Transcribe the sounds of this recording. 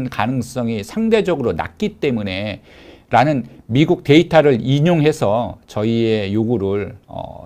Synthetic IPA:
nkanɯŋs͈ʌŋisʰaŋde̞d͡ʑʌɡɯɾona̰k̚k͈it͈e̞mune̞ | ɾanɯnmiɡuk̚te̞itʰaɾɯɭiɲoŋɦe̞sʰʌt͡ɕʌie̞joɡuɾɯɭʌ̰

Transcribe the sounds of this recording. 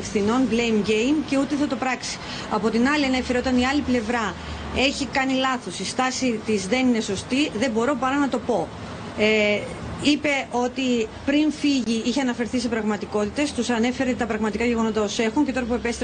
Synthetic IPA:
fθino̞nble̞jmʝe̞jmce̞ut̪eθɐt̪o̞pɾɐksi̥ | ɐpo̞t̪inɐliɐne̞fe̞ɾeo̞t̪ɐniɐliple̞vɾɐ | e̞çikɐnilɐθosist̪ɐsit̪izðe̞nine̞so̞st̪iðe̞bo̞ɾo̞pɐɾɐnɐt̪o̞po̞ | ipe̞ʔo̞t̪ipɾinfiʝiiçe̞ɐnɐfe̞ɾθis̬e̞pɾɐɣmɐt̪iko̞t̪it̪e̞st̪usɐne̞fe̞ɾe̞t̪ɐpɾɐɣmɐt̪ikɐʝe̞ɣonot̪ɐose̞xuɲce̞t̪o̞ɾɐp̬uepest̪ɾ

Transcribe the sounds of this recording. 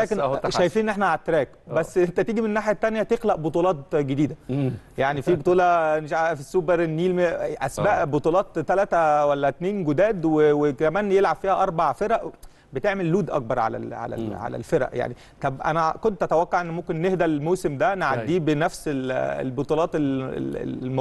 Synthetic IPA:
læːkenʃæjfiːnenːʔeħnæʕaæt̪ːɾæːkbæsːʔent̪æt̪iːɡimenːaːħjæt̪ːænjæt̪exlæʔbot̪ˤulɑːt̪̚ɡed̪iːd̪æjaʕnifibot̪uːlɑneʃʕfisːubeɾenːiːlmeʔæsbæːʔbot̪ˤuːlɑːt̪t̪ælæːt̪æwælːæt̪neːnɡod̪æːd̪wewekæmæːnjelʕabfiːhæʔɑɾˤbaʕfeɾæʔ | bet̪eʕmelːuːd̪ʔɑ̰k̚bɑɾˤʕa̰læ̰ʕa̰læ̰ʕa̰læ̰lfeɾæ̰ʔja̰ʕni | t̪ˤɑbʔæ̰nækont̪ʔæt̪æwæqːɑʕʔenːmomkenːehd̪ælmowsemd̪ænʕad̪ːiːbenæfselḛlbot̪ˤuːlɑːt̪elḛḛlmo

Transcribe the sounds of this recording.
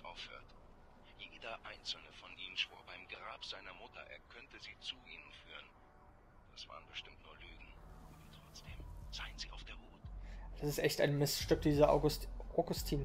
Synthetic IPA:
ʔaʊfhø̰ːɐt | jedɐʔaɪnt͡sl̩nəfɔnʔiːnənʃv̥o̰ːɐbaɪmɡʁaːpz̥aɪnɐmʊtʰɐ̰ʔḛːɐkʰœntəziːt͡suʔiːnənfyːʁən | d̥asv̥a̰ːʁənbəʃtɪmtnuːɐlyːɡŋ̩ʔʔaːbɐtʁ̥ɔt͡sd̥eːmz̥aɪənziːʔaʊfd̥eːɐhuːtd̥asɪstʔɛçta̰ɪnmɪsʃtʏk̚d̥iːzɐʔʔoɡʊstʰiːn

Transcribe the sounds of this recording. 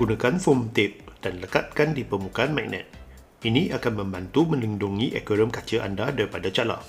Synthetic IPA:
ɡunakanfumt̪ɪp̚d̥anləkat̪̚kandipəmukaanmak̚nɛ̰t̪̚ | inĩʔakanmə̃mbant̪umə̃nliŋduŋĩʔɛkoɾəmkat͡ʃəʔa̰ndadaɾipadat͡ʃala̰

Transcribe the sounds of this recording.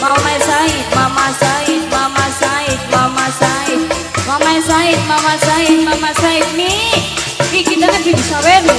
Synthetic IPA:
mamaisaɪt̪̚mamasait̪̚mamasait̪̚mamasait̪̚ | mamaisait̪̚mamasait̪̚mamasaɪt̪̚mi | kikit̪akanpidisawedu

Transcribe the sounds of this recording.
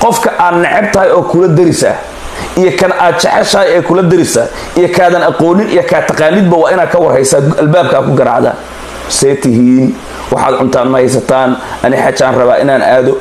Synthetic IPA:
qɔfkʰɐʔaːd̪nɑʕɛb̚t̪ʰɐɦɐjɔːkʰʊlɐd̪ɐɾɪsɐ̰ | ʔijɔkʰɐnaːd̪̚t͡ʃɑ̰ʕɑʃɐjɛːkʰʊlɐd̪ɐɾɪsɐ̰ | ʔijɔkʰaːðɐnɐqɔːnɪnḭjɔkʰaːt̪ʰɐqɑːmɪd̪̚bɐwɑːɪnaːd̪̚kʰɐwɑrhɛjsaːʔɐlbaːb̚kʰaːkʰʊɡɐɾa̰ʕða̰ː | sɛːt̪ʰɪɦiːn | wɑħɑ̰ːd̪ʕʊnt̪ʰaːnmɐhɛjsɐt̪ʰaːnɐnɪħɑt͡ʃaːnrɐβaːʔɪnaːnʔaːðɔ

